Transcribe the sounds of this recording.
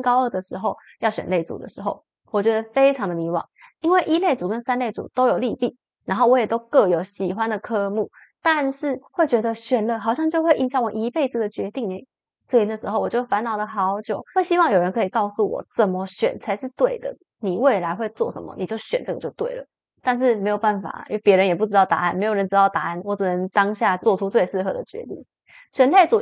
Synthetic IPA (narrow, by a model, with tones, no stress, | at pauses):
nkɑ˥ʊə˥˩d̪ə˩ʂɻ̩˧˥xo˥˧ʊ | jɑ˥˩ʊɕɥɛ̰˨nle˥˩ɪt͡sṵ˨˩d̪ə̰˦ʂɻ̩˧˥xo˥˩ʊ | wɔ˨˩t͡ɕɥɛ˧˥d̪ə˧fe˥ɪʈ͡ʂʰɑ˧˥ŋd̪ə˨mi˧˥wɑ̰˨˩˦ŋi˥nwe˥˩ɪʔi˥le˥˩ɪt͡su˨˩kə˦˥nsa˥nle˥˩ɪt͡sṵ˨˩t̪o˥ʊjo˨˩ʊli˥˧pi˥˩ | ɻa˧˥nxo˥˩ʊwɔ˦jɛ˨˩t̪o˥ʊkɤ˥˩jo˨˧˥ʊɕi˨˩xwa˦nd̪ə˨kʰɤ˥˧mu˥˩ | t̪a˥˧nʂɻ̩˥˩xwe˥˩t͡ɕɥɛ˧˥d̪ə˧ɕɥɛ˨˩nlə˧xɑ˨˩ʊɕjɑ˥˧ŋt͡ɕjo˥˧ʊxwe˥˧ɪʔi˧˥nɕjɑ˥˩ŋwɔ˨˩ʔi˧˥pe˥˧ɪd͡z̩˨˩d̪ə˩t͡ɕɥɛ˧˥t̪i˥˧ŋne˥˩ | swɔ˧˥˩i˨˩na˥˩ʂɻ̩˧˥xo˥˧ʊwɔ˨˩t͡ɕjo˥˩fa˧˥nnɑ˨˩ʊd̪ə˧xɑ˧˥ʊt͡ɕjo˨˩˦ʊwe˥˩ɪɕi˥wɑ˥˩ŋjo˨˩ʊɻə˧˦nkʰɤ˧˥i˨˩kɑ˥˧ʊsu˥˩wɔ̰˨˩t͡sə˥˩mə˨ɕɥɛ̰˨˩nt͡sʰa˧˥ɪʂɻ̩˥˧t̪we˥˩ɪd̪ə̰˩ | ni˨˩we˥˩ɪla˧˥ɪxwe˥˧ɪt͡swɔ̰˥˩ʂə̰˧˥mə̰˨ni˨˩t͡ɕjo˥˩ʊɕɥɛ˨˩nʈ͡ʂɤ˥˩ɡə˨˩t͡ɕjo˥˧ʊt̪we˥˩ɪlə̰˩ | t̪a˥˧nʂ̬ɻ̩˥˩me˧˥ɪjo˨˩ʊba˥˩nfa̰˨˩i˥wpjɛ˧˥ɻə˧˦njɛ˨˩p̬u˥˩ʈ͡ʂɻ̩˧˥t̪ɑ˥˩ʊt̪a̰˧a˥˩nme˧˥jo˨˩ɻə˧˥nʈ͡ʂɻ̩˧˥ɑ˥˩ʊt̪a˧˦a˥˩nwɔ˧˥ʈ͡ʂɻ̩˨˩nə˧˦ŋt̪ɑ˥ŋɕja˥˧t͡swɔ˥˩ʈ͡ʂʰu˥t͡swe˥˧ɪʂɻ̩˥˩xɤ̰˧˥d̪ə˨t͡ɕɥɛ̰˧˥t̪ḭ˥˩ŋ | ɕɥɛ˨˩nle˥˩ɪt͡su˨˩